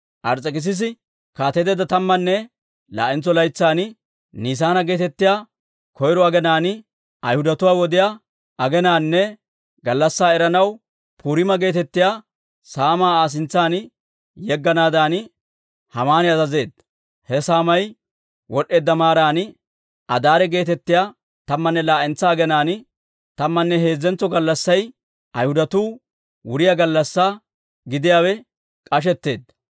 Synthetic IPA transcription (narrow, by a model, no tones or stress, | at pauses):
ʔɐɾt͡sʼːɛkɪs̬ɪs̬ɪ | kaːt̪ɛd̪ɛd̪ːɐt̪ɐmːɐnːɛ | la̰ːʔɪnt͡sːɔlɐjt͡sːaːn | niːs̬aːnɐɡe̞ːt̪ɛt̪ːɪjaː | kɔjɾɔɐɡɛnaːnɪ | ɐjhʊd̪ɐt̪ʊwaːwɔd̪ɪjaː | ɐɡɛnaːnːɛ | ɡɐlːɐsːaːɛɾɐnɐw | pʰuːɾɪmɐɡe̞ːt̪ɛt̪ːɪjaː | saːmaːaːs̬ɪnt͡sːaːn | jɛɡːɐnaːd̪aːnɪ | hɐmaːnɪɐzɐze̞ːd̪ɐ | hɛsaːmɐj | wɔɗːe̞ːd̪ːɐmaːɾaːnɪ | ʔɐd̪aːɾɛɡe̞ːt̪ɛt̪ːɪjaː | t̪ɐmːɐnːɛlaːʔɛnt͡sːaːɡɛnaːn | t̪ɐmːɐnːɛɦe̞ːzːɛnt͡sːɔɡɐlːɐsːɐj | ʔɐjhʊd̪ɐt̪uː | wʊɾɪjɐɡɐlːɐsːaː | ɡɪd̪ɪjaːwɛ | kʼɐʃ̬ɛt̪ːe̞ːd̪ːɐ̥